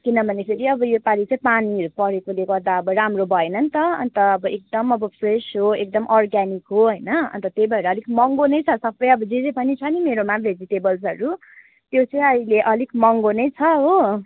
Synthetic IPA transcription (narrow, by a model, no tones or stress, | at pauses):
kinʌbʱʌnepʰeɾiʌbʌjopaɾit͡saĩpaniɦʌɾupʌɽekoleɡʌɾd̪aʌbʌɾamrobʱʌenʌnt̪ʌʌ̰nt̪ʌːbʌek̚d̪ʌmʌbʌpʰresɦoek̚d̪ʌmʔʌrɡanikɦoɦʌjnʌʌ̰nt̪ʌt̪ejbʱʌeɾʌːlikmʌŋɡonʌjt͡sʰʌsʌbʌjʌbʌd͡ziɾepʌnit͡sʰʌnimeɾomared͡zit̪ebʌls̬ɦʌɾu | t̪jot͡sãĩʌileʔʌlikmʌŋɡonʌjt͡sʰʌɦo